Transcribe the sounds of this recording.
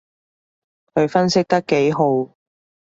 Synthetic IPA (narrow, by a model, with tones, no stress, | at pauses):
kʰɵ˨˧ɥfɐ˥nsɪ˥k̚t̪ɐ˥kːe˨˥jɦo˨˥w